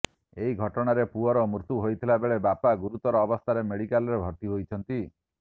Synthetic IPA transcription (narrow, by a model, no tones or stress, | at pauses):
eɦiɡʱɔʈɔɽ̃aɾepuɔɾɔmuɾt̪uɦojt̪ʰilabeɭebapaɡuɾut̪ɔɾɔːbɔst̪ʰaɾemeɽikalɔɾebʱɔɾt̪iɦojt͡ʃʰɔnt̪i